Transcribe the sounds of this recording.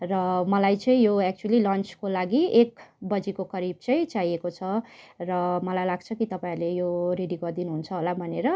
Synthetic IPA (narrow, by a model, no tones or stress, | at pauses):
rʌmʌlajt͡sʌ̃ĩjoɛk̚t͡ʃuʌlilʌnt͡skolaɡiekbʌd͡zikokʌɾib̚t͡sʌĩt͡sajekot͡sʰʌ | rʌmʌlajlaɡ̚t͡sʰʌkit̪ʌpãĩlejoreɽiɡʌrd̪inuɦunt͡sʰʌɦolabʱʌneɾʌ